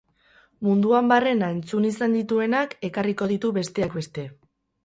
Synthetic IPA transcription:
mund̪uambare̞nae̞nt͡sunisand̪it̪ue̞nake̞kariko̞ð̞it̪uβe̞st̪e̞akbe̞st̪e̞

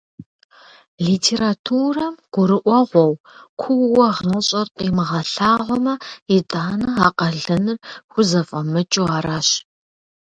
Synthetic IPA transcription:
ɮiːtʰeːɾatʰuːrɐmɡ̥ʷʊɾɨʔʷɔʁʷɔw | kʷʰʊwwɐʁɐɕʼɐrqʼimɨʁɐɬaːʁʷɔmɐitʼaːnɐaːqʼɐɮɨnɨrxʷʊzɐfʼɐmɨt͡ʃʼuaːɾaːɕ

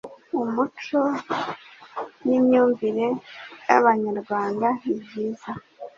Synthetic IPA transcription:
umut͡ʃo̞ | nimɲuːɱviɾe̞ja̰βaɲaɾɡwaːndaibɟiːza

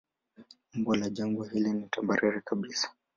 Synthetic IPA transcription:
mɡwɔlaʄaŋɡɔɦilinitambaɾiɾikaɓisḁ

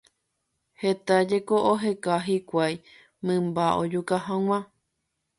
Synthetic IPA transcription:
het̪ad͡ʒe̞koʔoɦekaɦikʷaj | mɨ̃mbaʔod͡ʒukaɦãw̃ã

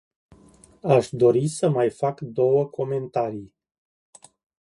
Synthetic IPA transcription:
aʃd̪o̞ɾisəmajfakd̪o̞wəkʰo̞me̞nt̪aɾij

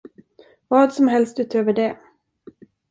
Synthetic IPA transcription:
vɑːd̪sɔmɦɛlst̪ʉ̟ːt̪ʰøːvəɖɛ

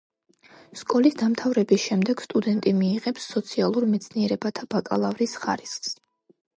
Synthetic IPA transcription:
skʼɔlisd̪amt̪ʰavɾɛbisʃɛmd̪ɛɡ̥st̪ʼud̪ɛnt̪ʼimiːʁɛpsːɔt̪sʰialˠuɾmɛt̪sʰniɛɾɛbat̪ʰab̥akʼa̰lˠavɾisχa̰ɾisχs

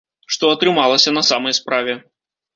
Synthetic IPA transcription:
ʂt̪ɔɐt̪ɾɨmalˠɐsʲɐnɐsamɐjspɾavʲɛ

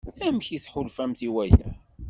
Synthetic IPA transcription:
læmçiθħʊlfæmθiwæjæ̰

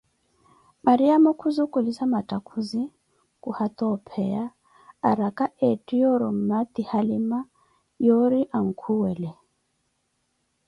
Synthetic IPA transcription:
maɾiamɔkʰuzukʼulisamatʼakʰuzi | kʼuhat̪ʼɔpʰɛja̰ː | ɾakʼaʔɛtʼijɔɾɔm̩mat̪ihalima | jɔɾiʔaŋ̩kʰuwɛlɛ

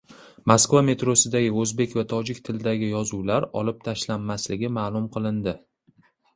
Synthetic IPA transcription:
maskvame̞t̪ɾosɪd̪aɡʲɪɵzbe̞kʲvat̪ʰɒd͡ʒɪkʲt̪ʰɪlɪd̪aɡʲɪjɒzuwlaɾɒ̰lɪp̚t̪ʰaʃlanːaslɪɡʲɪmaːlˠʊmqʰɨlˠɪnd̪ɪ

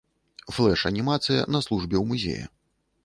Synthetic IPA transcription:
flˠɛʂɐnʲimat̪sɨjɐ̰nɐslˠuʐbʲɛwmuzʲḛjɐ̰

